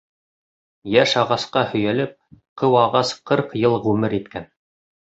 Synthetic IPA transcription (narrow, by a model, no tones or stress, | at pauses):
jæʃɑʁɑsqɑhɵ̆jælɘp̚qʰɤwɑʁɑsqɤɾqjɤlˠʁʉmɘɾit̪kæn